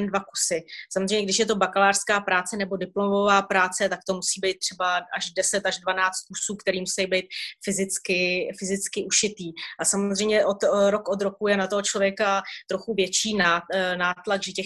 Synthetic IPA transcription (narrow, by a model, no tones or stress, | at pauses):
ndvaku̥sɪsamozrejmɲɛɡdɪʃjɛt̪o̞bakalaːr̥skaːpɾaːt͡sɛnɛbo̞dɪplomovaːpɾaːt͡sɛt̪ak̚t̪o̞musiːbejt̪̚ːr̝̥ɛbaʔaʒdɛsɛt̪aʒdvanaːt͡st̪̚kusuːkt̪ɛɾiːmusɛjbɛjt̪̚fɪzɪt͡skɪfɪzɪt͡skɪʔuʃɪt̪iːʔasamozrɛjmɲɛʔot̪ɾo̞kod̪ɾo̞kujɛnat̪oɦot͡ʃlo̞vjɛkat̪ɾo̞xuvjɛt͡ʃiːnanaːt̪laɡʒɛcɛx